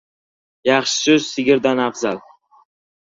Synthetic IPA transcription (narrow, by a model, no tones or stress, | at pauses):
jɑχʃɪ̥ʃʊsɪɡʲɪɾd̪anafzal